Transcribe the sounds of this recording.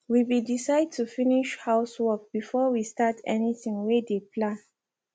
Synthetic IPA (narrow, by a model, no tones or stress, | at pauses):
wibidisaɪd̚tʰufiniʃhaʊswɔk̚b̥ifɔwistatʰɛ̰niθĩŋwedepʰlãn